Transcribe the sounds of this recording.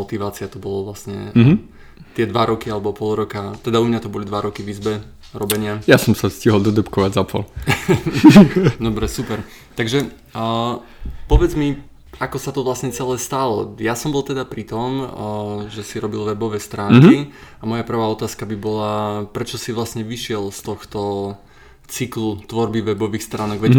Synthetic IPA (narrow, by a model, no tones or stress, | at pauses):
ɔt̪iʋaːt͡siat̪ɔbɔlɔʋlasɲɛ̰ | t̪ɪɛd̪ʋaɾɔkialɛbɔpɔlˠɾɔkat̪ɛd̪aumɲat̪ɔbɔlid̪ʋaɾɔkiʋizbɛ | ɾɔbɛɲɪajasɔmsafsciɦɔlˠd̪ɔd̪ɛpkɔʋaɟzapɔ̰l | d̪ɔbɾɛsupɛɾ | t̪aɡʒɛ | pɔʋɛd͡zmi | akɔsat̪ɔʋlasɲɛt͡sɛlɛst̪alɔjasɔmbɔlˠt̪ɛd̪apɾit̪ɔm | ʒɛsiɾɔbilˠʋɛbɔʋɛst̪ɾaːŋkiamɔjapr̩ʋaːɔt̪aːskabibɔlapɾɛt͡ʃɔsiʋlasɲɛʋiʃɪɛlst̪ɔxt̪ɔ | t͡siklut̪ʋɔɾbiʋɛbɔʋiːxst̪ɾaːnɔɡʋɛ